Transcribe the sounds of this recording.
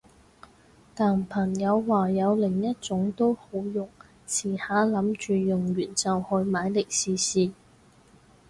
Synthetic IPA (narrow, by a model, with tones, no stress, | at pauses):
t̪aː˨˩npʰɐ˨˩njɐ˨˧wːaː˨˩jɐ˨˧wlɪ˨˩ŋjɐ˥t̚t͡sʊ˨˥ŋt̪o˥who˨˥wjʊ˨˩ŋ | t͡sʰiː˨˩haː˨˥lɐ˨˥mt͡ʃyː˨˧jʊ˨˩ŋjyː˨˩nt͡sɐ˨whɔː˧jmaː˨˥jlɪ˨k̚siː˨˧siː˨˧